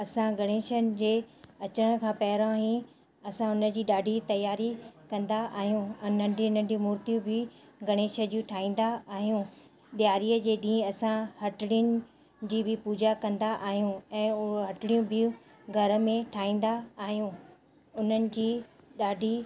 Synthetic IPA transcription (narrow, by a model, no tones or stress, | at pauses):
ɐsãɡɐɽ̃eːʃənɪ̆d͡ʑeːɐt͡ɕəɽ̃ə̆kʰãːpɐɦɪɾãɦĩ | ɐsãʊnə̆d͡ʑiːɗaːɖʱit̪ɐjaːɾikɐ̃nd̪aʔaːɦijũʊnəiʊnənd͡ʑĩmuːɾt̪ijũbʱɪ | ɡɐɽ̃eːʃə̆d͡ʑiũʈʰaːĩːn̆d̪aaːɦijũ | ɗijaːɾiːəd͡ʑeːɗĩːɐsãhɐʈɽijʊnɪ̆ | d͡ʑiːbʱɪpuːd͡ʑakɐ̃nd̪aʔaːɦijũɛ̃ːʊɦɐʈɽijũbʱɪjũ | ɡʱɐɾə̆mẽʈʰaːĩːn̆d̪aaːɦijũ | ʊn̤ənɪ̆d͡ʑiː | ɗaːɖʱi